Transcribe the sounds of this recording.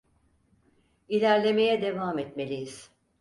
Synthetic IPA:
ilʲæɾlʲe̞me̞jɛd̪e̞vaːmɛt̪me̞lʲijiz̥

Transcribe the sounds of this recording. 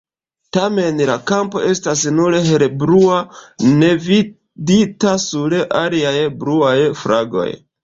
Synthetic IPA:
tame̞nlakampo̞̰ʔe̞stasnuɾeɦe̞ɾebɾuane̞vi | ditasuɾeʔaliajbɾuajfɾaɡo̞̰j

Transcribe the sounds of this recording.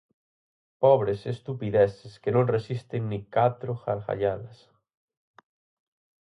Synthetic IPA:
pɔβ̞ɾesest̪upiðɛseskenõŋresist̪eŋnikat̪ɾoxaɾɣa̰ʎalɐs

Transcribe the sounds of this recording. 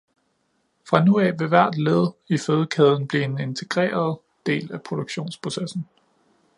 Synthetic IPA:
fʁɑ̈nuɛʋe̝ʋæɐ̰d̥leð̞ˠiføːð̞ˠəkʰɛːð̞ˠn̩b̥liːe̝ne̝nt͡sʰe̝ɡ̥ʁḛːɐð̞ˠ | d̥e̝̰ːlæpʰʁo̝ɾ̥oɡ̥ɕo̝̰ːnspʰʁo̝sesn̩

